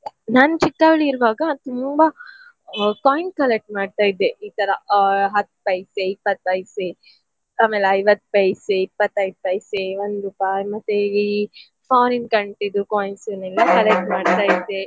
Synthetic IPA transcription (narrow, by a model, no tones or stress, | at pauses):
naːnt͡ʃikːaːʋɭiiɾʋaːɡɐt̪umbɐ | koːjnskɐlek̚ʈ̚maːɖ̚t̪aːjid̪ːeʔiːt̪ɐɾɐɦɐt̪ːpɐjseipːɐt̪̚ːpɐjse | aːmeːleɐjʋɐt̪̚ːpɐjseipːɐt̪ːɐjt̪ɐjseʋond̪upaːjmɐt̪ːei | pʰaːɾinkɐɳʈid̪ːukoːjnsinɛlːɐkɐlek̚ʈmaːɖt̪aːjid̪ːe